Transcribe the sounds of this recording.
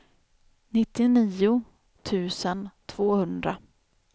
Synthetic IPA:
nɪt̪ːɪniːʊ | t̪ʰʉ̟ːsənt̪ʰv̥oːhɵnd̪ɾa

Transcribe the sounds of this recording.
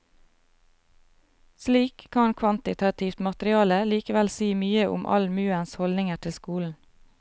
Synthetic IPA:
sliːkʰkɑnkʰʋɑnt̪ɪt̪ʰɑt̪ʰɪft̪mɑt̪ɾɪɑːləliːkəʋɛlsiːmyːəʔʊ̰mʔɑ̰lmʉːənshɔld̪ɪŋəʈʰɪlskuːln̩

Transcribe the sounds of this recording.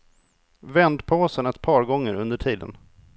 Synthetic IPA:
vɛnd̪pʰoːsənɛt̪̚pʰɑːɾɡɔŋːəɾɵnd̪əʈʰiːd̪ə̰n

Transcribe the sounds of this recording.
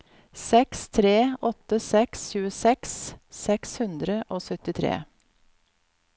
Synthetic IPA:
sɛkst̪ʰɾeːɔt̪əsɛksʃʉːəsɛkssɛkshʉnd̪ɾəʔoːsœt̪ɪt̪ʰɾḛː

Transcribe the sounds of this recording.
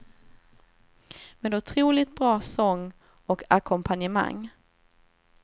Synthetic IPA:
meːd̪ʊt̪ʰɾuːlɪt̪̚bɾɑːsɔŋː | ɔkʰakʰɔmpʰanjəma̰ŋː

